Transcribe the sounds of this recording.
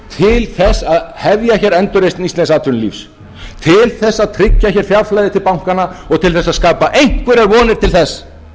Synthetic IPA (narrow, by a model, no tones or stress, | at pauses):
t̪ʰɪlθɛsːaðhɛvjaçɛɾɛnt̪ʏɾejst̪nist̪ɛ̃ns̬aːt̪ʰʏnlḭfs | t̪ʰɪlθɛsːaðt̪ʰɾɪcːaçɛɾ̥fjaɾflajðɪt̪ʰɪlpawŋ̥kanaɔɣt̪ʰɪlθɛsːaðskaːpaʔejŋ̥kvʏɾɛɾvɔːnɪɾt̪ʰɪlθɛs